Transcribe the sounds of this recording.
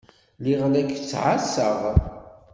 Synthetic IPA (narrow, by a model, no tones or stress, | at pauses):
liʁlækːt͡sːʕasəʁ